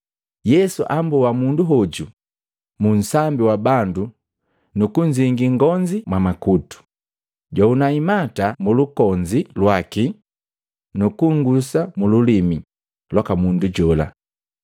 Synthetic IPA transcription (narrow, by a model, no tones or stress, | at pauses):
jɛsuʔambuwamunduɦɔɟu | mun̩sambiwabandu | nukuɲd͡ʒiŋɡiŋɡɔɲd͡ʒimwamakutu̥ | ɟaunaimatamulukɔɲd͡ʒilwaki | nukuŋɡusamululimi | lɔkamunduɟɔla̰